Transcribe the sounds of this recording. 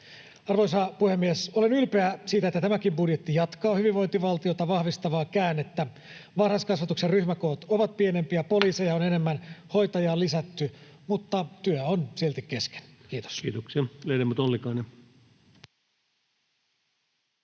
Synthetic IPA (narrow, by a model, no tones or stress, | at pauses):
ɑrʋoisɑpuhemːiesolenylpeæsiːt̪æet̪ːæt̪æmækimbudjet̪ːijɑt̪kɑːhyʋiʋʋo̞jnt̪iʋɑlt̪iot̪ɑʋɑhʋist̪ɑʋɑːkæːnet̪ːæ | ʋɑrhɑskɑsʋɑt̪ukserryçmækoːt̪oʋɑt̪̚pienempiæpoliːsejɑonene̞mːænho̞jt̪ɑjɑːlːisæt̪ːymut̪ːɑt̪yøonsielt̪ikkeske̥n̥kiːt̪o̥skiːt̪oksiɑlelemːut̪olːikɑine